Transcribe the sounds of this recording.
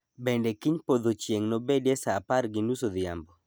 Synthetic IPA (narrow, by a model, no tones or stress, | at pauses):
bɛndɛkiɲpod̪ot͡ʃjeŋnobedjɛsapaɾɡɪnusod̪ja̰mbɔ